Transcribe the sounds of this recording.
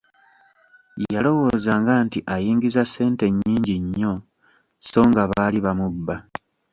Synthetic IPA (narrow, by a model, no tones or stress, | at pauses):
jalo̞wo̞ːzaːŋɡaːntiʔajiːŋɡizase̞ːnte̞ɲːiːɲɟiɲːo̞ | so̞ːŋɡaβaːliβamubːa